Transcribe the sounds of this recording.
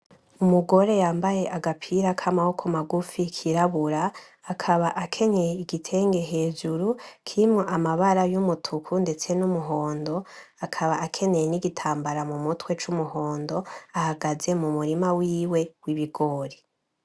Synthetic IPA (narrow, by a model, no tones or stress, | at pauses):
umuɡo̞ɾe̞jaːmbaje̞ʔaɡapʰiɾakʰamaho̞kʰomaɡufikʰiɾaβuɾaː | kʰaβaʔakʰe̞ɲe̞jeiɡitʰe̞ːŋɡe̞ɦe̞ːd͡ʒuɾukʰiimŋoʔamaβaɾajumutʰukʰunde̞t͡se̞numuɦo̞ːndo̞ | akʰaβaʔakʰe̞ɲe̞jeniɡitʰaːmbaɾamumutwe̞t͡ʃumuho̞ːndo̞ahaɡaze̞mumuɾimawiːwe̞wiβiɡo̞ːɾe